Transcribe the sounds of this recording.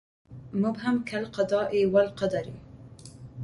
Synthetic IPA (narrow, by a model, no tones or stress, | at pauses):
mʊbɦamkʰalqɑd̪ɑːʔewalqɑd̪aɾḭ